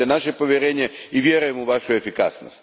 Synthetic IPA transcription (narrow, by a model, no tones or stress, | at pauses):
enaʃepo̞ʋʲjeɾeːɲeiʋʲjeɾujemuʋaʃuefika̰sno̰st̪